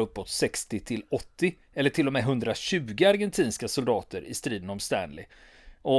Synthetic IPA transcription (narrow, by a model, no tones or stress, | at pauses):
ɵpːot̪sɛkst̪ɪt̪ʰɪlɔt̪ːɪ | ɛlːəʈʰɪlːɔmɛːɦɵnd̪ɾaɕʉ̟ːɡəaɾɡɛnt̪ʰiːnskasʊld̪ɑːt̪əɾɪst̪ɾiːd̪ənɔmst̪æ̰nlɪ̰ | ʔɔ